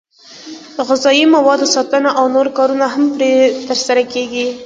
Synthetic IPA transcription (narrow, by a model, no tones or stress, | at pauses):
d̪əɣɪzɑjimawɑd̪osɑt̪ənaʔawnoɾkɑɾunaɦampɾet̪əɾsaɾakeɡi